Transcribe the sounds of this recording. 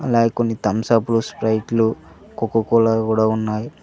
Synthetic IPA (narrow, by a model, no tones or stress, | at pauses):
ɐlaːɡekonːit̪ɐmsaːpuluspɾɐjʈlu | kokːukɔːlakuːɽaːunːaːji